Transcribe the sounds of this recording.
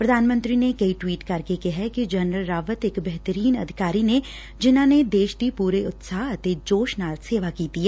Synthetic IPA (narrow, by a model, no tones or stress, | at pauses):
pɾɐd̪ʱaːnmə̃nt̪ɾinekɐiʈwiːʈkɐɾkekɛɦɛkid͡ʒɐnɾəlɾaːʋət̪ekbɛɦt̪əɾiːnɐ̰d̪ʱɪkaːɾine | d͡ʒɪnãned̪eːʃt̪ipuːɾeʊt̪saːɦɐt̪ed͡ʒoːʃnaːɾt̪seːʋakiːt̪iɦɛː